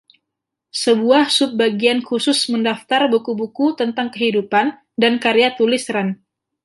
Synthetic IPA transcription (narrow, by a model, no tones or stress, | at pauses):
səbuahsʊp̚baɡiankusʊsməndaft̪arbukubukut̪ənt̪aŋkəɦidupan | dankaɾejat̪ulɪsɾan